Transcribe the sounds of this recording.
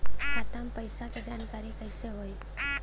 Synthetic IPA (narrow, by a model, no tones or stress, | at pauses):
at̪ampəjsaked͡ʒankaɾikəjseɦoj